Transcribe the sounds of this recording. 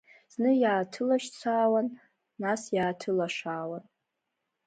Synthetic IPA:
z̥nɨjaːtʰɨlaʃt͡sʷʰaːwanː | asjaːtʰɨlaʂaːwan

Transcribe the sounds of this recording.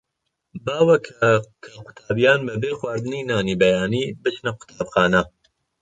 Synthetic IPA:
baːwɐkʰkʰɐqʊ̥t̪ʰaːbijaːnbɐbeːxwaːɾd̪ɨninaːniːbɐjaːniːbɨt͡ʃnɐqʊ̥t̪ʰaːbxɑːnɐ

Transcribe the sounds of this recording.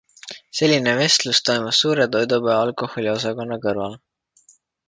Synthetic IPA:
se̞lʲːine̞ve̞st̪lust̪o̞jmusːuːɾe̞t̪o̞jd̪upeɑlkˑo̞ho̞lʲio̞sɑko̞nːɑkɤrvɑl

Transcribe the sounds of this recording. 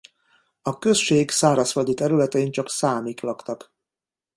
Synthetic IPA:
ɒkø̞sʃeːɡsaːɾɒsfɒd̪it̪ɛɾylɛt̪ɛiɲt͡ʃɒksaːmiklɒkt̪ɒk

